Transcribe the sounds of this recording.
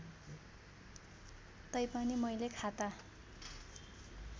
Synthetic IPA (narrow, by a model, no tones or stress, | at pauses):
t̪ʌjpʌnimʌjlekʰat̪a